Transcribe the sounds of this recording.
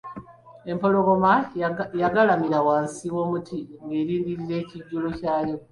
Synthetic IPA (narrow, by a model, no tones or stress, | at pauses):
e̞mpo̞lo̞ɡo̞majaɡalamiɾawaːnsiwo̞ːmutʰiŋɡe̞ːɾiːndiɾiɾe̞ːciɟːulo̞caːjo̞